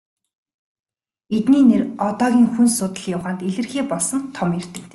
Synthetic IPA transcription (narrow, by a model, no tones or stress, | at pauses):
et̪niːnerɔt̪ɔːɣʲiːŋxunsʊt̪ə̆ɮjʊwʁaːnt̪eɮɘ̆rxeːpɔɮsɞ̆nt̪ʰːɔmjer̥t̪ɘ̆kt̪e̥ː